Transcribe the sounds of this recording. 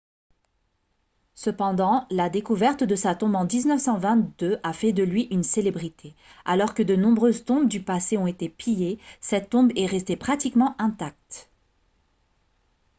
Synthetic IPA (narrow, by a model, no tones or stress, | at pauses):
səpɑ̃d̪ɑ̃lad̪ekuvɛʁt̪d̪əsat̪ɔ̃bɑ̃d̪iznəfsɑ̃vɛ̃t̪̚d̪øʔafɛd̪əlɥiʔynselebʁit̪ʰealɔʁkəd̪ənɔ̃bʁøzt̪ɔ̃bd̪ypaseɔ̃et̪epʰijesɛt̪ːɔ̃bɛʁɛst̪epχat̪ikmɑ̃ʔɛ̃t̪ak̚t̪